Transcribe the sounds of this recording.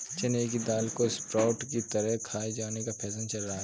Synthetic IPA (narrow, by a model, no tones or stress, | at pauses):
t͡ʃɐneːkid̪aːlkoɪspɾaːʊʈkit̪ɐɾəɦkʰaːed͡ʒaːnekapʰɛːsənt͡ʃɐlɾɐɦa